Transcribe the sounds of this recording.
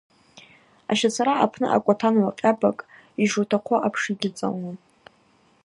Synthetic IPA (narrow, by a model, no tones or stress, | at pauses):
a̰ʃat͡sʰaɾaapʰnɨ̰ʔa̰kʷʼatʰanwaqʲʼabakʼ | iʐutʰaqʷʰaʔapʰʂiɡʲɪt͡sʼa̰la